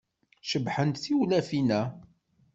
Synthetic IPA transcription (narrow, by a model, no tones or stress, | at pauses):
ʃəbħənt̪θiwlæfinæ